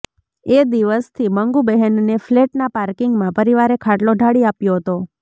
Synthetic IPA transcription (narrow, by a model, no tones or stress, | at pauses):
ed̪iʋəst̪ʰiməŋɡubɛɦənnefleʈnapaɾkɪŋɡmãpəɾiʋaɾekʰaʈloɖʱaɽiapjoɦət̪o